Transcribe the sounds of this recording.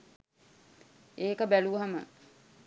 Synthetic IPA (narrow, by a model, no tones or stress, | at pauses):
eːkəbæluəɦamə̰